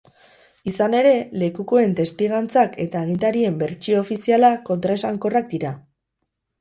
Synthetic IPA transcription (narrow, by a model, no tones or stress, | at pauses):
isane̞ɾe̞le̞kuko̞e̞nt̪e̞st̪iɣant͡sake̞t̪aeɣ̞int̪aɾie̞mbe̞ɾt͡ʃiofisialako̞nt̪ɾaesaŋko̞rak̚d̪iɾa